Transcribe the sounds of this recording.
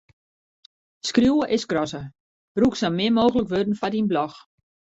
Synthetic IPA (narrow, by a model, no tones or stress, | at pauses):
skrjuwəʔɪsɡrɔsə | b̥ruksalmɪəmoːɣələkʋødən̩fadinblɔx